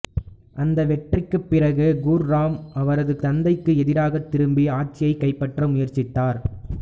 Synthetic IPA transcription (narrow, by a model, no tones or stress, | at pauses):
ʔɐnd̪ɐʋɛʈrɪkːɯpːɪrɐɣɯɡuːɾːaːmɐʋɐɾɐðɯt̪ɐnd̪ɐɪkːɯɛðɪɾaːɣɐt̪ːɪɾɯmbiaːʈ̚t͡ʃːɪjɐɪkːɐɪpːɐʈrɐmʊjɐɾt͡ʃɪt̪ːaːɾ